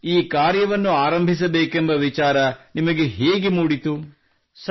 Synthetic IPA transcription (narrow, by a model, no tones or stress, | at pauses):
iːkaːɾjɐʋɐnːuaːɾɐmbʱis̬ɐbeːkembɐʋit͡ʃaːɾɐnimɐɡe̞ɦeːɡemuːɽit̪u | s